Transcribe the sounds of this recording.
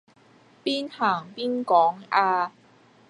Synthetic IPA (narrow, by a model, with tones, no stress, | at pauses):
piː˥nhaː˨˩ŋpiː˥nkɔː˨˥ŋaː˧